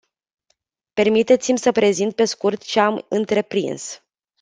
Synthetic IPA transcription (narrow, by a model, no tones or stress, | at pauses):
pe̞rmit̪e̞t̪simʲsəpɾe̞zint̪̚pe̞skurt̪t͡ʃeamɨnt̪ɾe̞pɾḭns